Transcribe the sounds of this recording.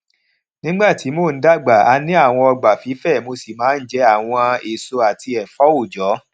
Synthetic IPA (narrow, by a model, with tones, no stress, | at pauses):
nĩ˦ɡ͡ba˦˨ti˨˦mo˦˨n̩˨˦da˦˨ɡ͡ba˨a˧nĩ˦a˦˨w̃ɔ̃˧ɔ˧ɡ͡ba˨fi˨˦fɛ˦˨mo˧si˨mãː˨˦n̩˦d͡ʒɛ˧˦a˦˨w̃ɔ̃˧e˨so˧a˨tʰi˧ɛ˨fɔ˦o˦˨d͡ʒɔ˨˦